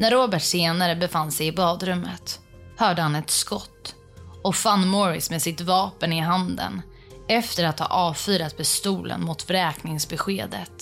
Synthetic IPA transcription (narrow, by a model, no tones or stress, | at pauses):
næɾoːbæʈseːnaɾəbɛfanːsɛjɪbɑːd̪ɾɵmːət̪ | hœːɖəhanɛt̪skɔt̪ː | ɔfanːmɔɾɪ̰smeːsɪt̪vɑːpənɪɦand̪ə̰n | ɛft̪əɾat̪hɑ̰ːʔɑːvfyːɾat̪̚pʰɛst̪uːlə̰nmʊt̪ɾɛːknɪŋsbɛɧeːd̪ə̰t̪